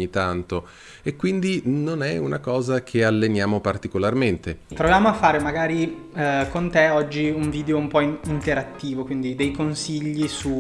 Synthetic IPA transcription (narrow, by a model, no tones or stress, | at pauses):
it̪ant̪o | ekːwind̪inonɛunakɔːzakʰealːenjaːmopart̪ikolarment̪epɾovjaːmoafːaːɾemaɡaːɾikont̪ɛɔd͡ʒːiuɱviːd̪eoumpɔiint̪eɾat̪ːiːvokwind̪id̪ejkonsiʎːisu